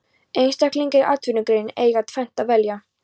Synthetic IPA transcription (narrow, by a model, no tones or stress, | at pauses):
ejnst̪ahkliŋcɪʔat̪ʰvʏnʏkɾejneːjɣat̪ʰfɛmn̥t̪aðvɛlja